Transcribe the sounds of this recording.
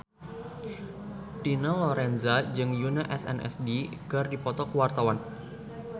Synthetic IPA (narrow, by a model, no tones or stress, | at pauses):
tinalɔɾɛnzad͡ʒɨŋjunaʔɛsɛ̰nʔɛ̰sdikɨrdipɔt̪ɔkəwart̪awan